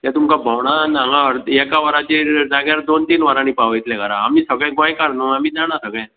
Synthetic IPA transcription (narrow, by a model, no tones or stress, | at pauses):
t̪jãt̪umkabʱəʋɽ̃analaəɾjɛkaʋəɾat͡ɕed͡zaɡaɾd̪ont̪iːnʋaɾãnipaʋəjt̪lɛ̃kəɾaːmiːsəɡɭɛ̃ɡãjkaɾnoamiːd͡zaɽ̃asəɡɭɛ̃